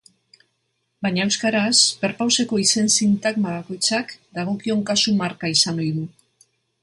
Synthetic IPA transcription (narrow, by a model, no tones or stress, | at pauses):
bajɲaewskaɾaspe̞ɾpawse̞ko̞ise̞nsint̪aɡmaβako̞jt͡sakd̪aɣ̞o̞kio̞ŋkasumaɾkaisano̞jðu